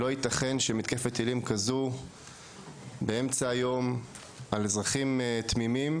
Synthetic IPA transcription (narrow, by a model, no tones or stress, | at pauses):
lo̞it̪aχe̞nʃemit̪kefet̪ilimkazu | be̞e̞mt͡saːjo̞m | alzʁaχimt̪mimim